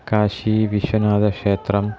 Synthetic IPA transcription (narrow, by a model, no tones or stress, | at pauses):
kaːʃiːʋiʃwɐnaːd̪ɐkʂeːt̪rɐm